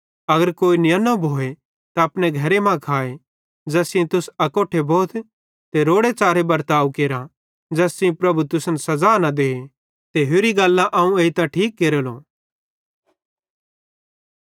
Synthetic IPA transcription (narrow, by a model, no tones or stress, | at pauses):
ɐɡəɾkoːinɪjənobʱoːe | t̪aɐpneɡʱɐɾemãkʰaːe | d͡ʒɛːsĩt̪ʊsɐkoːʈʰebɔːt̪ʰ | t̪eɾoːɽet͡ʃaːɾebɐɾt̪aːukeːɾã | d͡ʒɛːsĩpɾɐbut̪ʊsənsɐzaːnad̪eːe | t̪eɦoːɾiɡɐlːãʔɐːũeːit̪ãʈʰiːk̚ɡeːɾoloː